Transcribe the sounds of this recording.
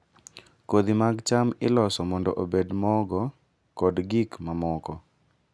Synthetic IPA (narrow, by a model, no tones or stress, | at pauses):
kod̪imaɡt͡ʃamɪlɔsɔmɔndɔʔobedmɔɡɔ | kɔdɡikmamɔkɔ